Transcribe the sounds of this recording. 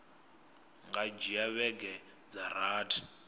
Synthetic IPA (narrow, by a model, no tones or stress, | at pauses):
ŋɡad͡ʒiaβɛɡɛ | d͡zaɾaːtʰi̥